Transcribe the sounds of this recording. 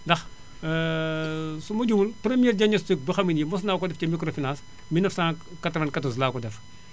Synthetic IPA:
ndɐx | sumɐɟumulpɾɛmijɛːɾd͡ʒɐɲɐstuk̚bɐxɐminjimɔs̬naːkɔdɛfcɐmikɾofinãːns | minːɐfsãː | katvɐnkatɔs̬laːkɔdɛf

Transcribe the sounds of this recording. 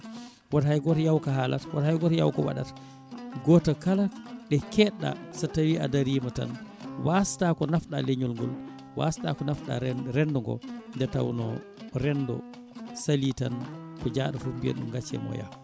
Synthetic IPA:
wathajɡɔtajawkaɦala̰twathajɡɔtaja̰wkɔwa̰ɗa̰t | ɡɔtakalaɗɛkɛɗːa̰satːawiʔa̰daɾiːmata̰nwʔastakɔnafɗa̰leɲulŋɡɔl | wa̰stakɔnafɗa̰ɾɛndɔŋɡɔ̰ndɛta̰wnɔ | ɾɛndɔ̰ | salitankɔd͡ʒaːɗafubiɛ̰ɗumɡat͡ʃːɛ̰mɔ̰ja̰

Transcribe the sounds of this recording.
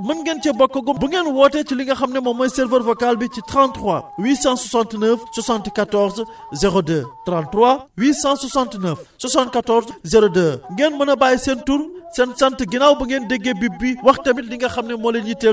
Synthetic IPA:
mɐnɡent͡ʃɛbɔkːɐɡubuŋɡenwɔːtɛt͡ʃiliŋɡɐxɐmnɛmɐmɐjsɛɾvəɾvokalbicitɾãntɾwawiːsãswɐsãntnəfswɐsãntkatɔɾz | zeɾodəːtɾãntrwawiːsãswɐsãntnəfswɐsãntkatɔɾzzeɾodəːŋɡenmɐnɐbaːjsentuɾsɛnsɐntɡinawbuŋɡendeɡːebibːiwɐxtɐmitliŋɡɐxɐmnɛmɔlenɲite

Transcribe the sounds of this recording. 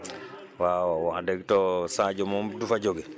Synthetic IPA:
wawwadɛɡtɔsãd͡ʒɔmɔmdufad͡ʒoɡɛ

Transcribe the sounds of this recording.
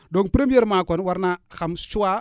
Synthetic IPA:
doŋpɾemieɾmakonwaɾnaxamst͡ʃuwa

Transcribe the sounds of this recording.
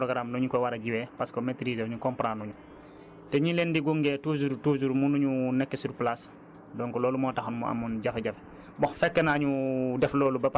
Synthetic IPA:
pɾɔɡɾamnɔɲukɔwaɾaɟiwɛpaskɔmetɾiːzeɲukɔmpɾanuɲu | tɛɲilendiɡuŋɡɛːtuzuɾtuzuɾmunuɲunɛkːesuɾplas | dɔŋkɔlɔːlumɔːtaxɔnmɔa̰mːunɟafɛɟaf | bɔxfɛkːɛnaɲudɛflɔːlubɐp

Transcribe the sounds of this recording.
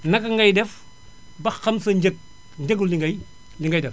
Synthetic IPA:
nɐkːɐŋɡɐjdɛf | bɐxɐmsɐɐk̚ | ɲd͡ʒɐɡuliŋɡɐj | liŋɡɐjdɛf

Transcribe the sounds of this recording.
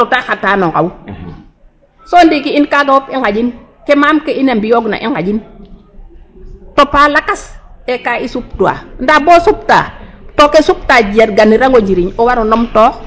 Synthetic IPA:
otaxataːnɔŋka̰wu | soːndikiinkaɡawopiŋɡaɟin | kemaːmkeinambijoɡna̰ʔiŋɡaɟin | topaːlakasekaisup̚tua̰ndaboːsup̚ta̰tokesup̚taːd͡ʒietɡaniɾaŋɡoɲd͡ʒiɾiɲowaɾunɔmtoːx

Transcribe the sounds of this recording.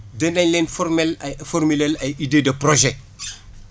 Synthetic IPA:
dɛndɐɲlɛnfɔrmɛlfɔrmilɛlɐjideːdəproʒɛ

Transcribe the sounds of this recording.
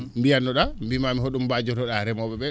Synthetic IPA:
mbijanːɔɗambimamiɦoɗumbad͡ʒɔtɔɗaɾɛmɔɓɛɓɛ

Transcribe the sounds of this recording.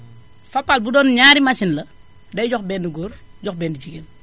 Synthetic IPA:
fɐpːalbudɔnɲaːɾimasinlɐ | dɐjɟɔxbɛndiɡoːɾɟɔxbɛːndit͡ʃiɡen

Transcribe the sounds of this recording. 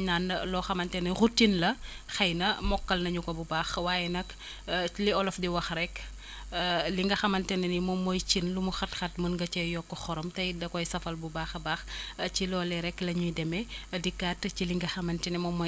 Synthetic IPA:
ɲaːnɐlɔːxɐmɐntɛnɐxutːinlɐ | xɐjnɐmɔkːɐlnɐɲukɔbubaːxwaːjɛnɐk | liɔlɔfdiwɐxɾɛkː | liŋɡɐxɐmɐntɛnɐnimɔmːɔjt͡ʃinlumuxɐtxɐtmɐnɡɐt͡ʃɛjɔkːɔxɔɾɔmtɐjdɐkɔjsɐfɐlbubaːxbaːxcilɔːlɛɾɛkːlɐɲudɛmɛdikːatːt͡ʃiliŋɡɐxɐmɐntɛnimɔmːɔ

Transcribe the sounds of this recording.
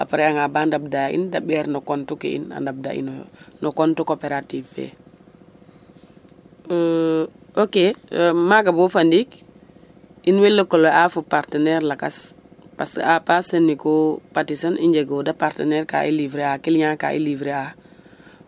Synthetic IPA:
a̰paɾɛaŋabandab̚daḭndaɓɛɾnɔkɔntukḭḭna̰ndab̚da̰ḭnnɔkɔntukopeɾativfɛ̰ | okemaɡabufandik | inwelːəkɔloafupaɾtənɛɾlakas | paskapasənːikɔpatisaniɲd͡ʒeɡɔdapaɾtənɛɾka̰ʔḭlivɾeakilɲaka̰ʔḭlivɾea

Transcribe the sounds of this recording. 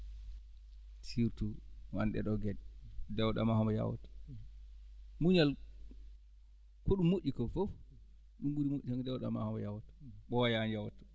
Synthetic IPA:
tiɾtuwanɗɛ̰ɗɔɡɛɗdɛwɗa̰mahɔmbɔja̰wɔ̰t | muɲal | koɗumːoʔikɔfof | ɗumɡuɾimoʔʲiaŋdɛwɗa̰ma̰hɔmbɔjawɔtɔ̥ɓɔwajanjawɔtɔ̥

